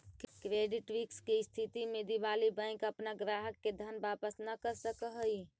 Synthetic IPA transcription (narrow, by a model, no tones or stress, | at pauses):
kɾeːɖɪʈʋɪkskiɪst̪ʰit̪imẽd̪iʋaːlibə̃ɪ̃kəpnaɡɾaːɦəkːed̪ʱənbaːpəsnəkəɾsəkəɦəi